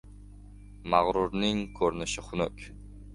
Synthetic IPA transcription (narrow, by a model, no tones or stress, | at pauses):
maʁɾuɾnɪŋkʰɵɾnɪʃɪχʊnɵkʲ